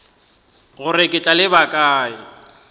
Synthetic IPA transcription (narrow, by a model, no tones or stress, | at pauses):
ɣʊrɪkʼɪt͡ɬʼalɪbakʼaːɪ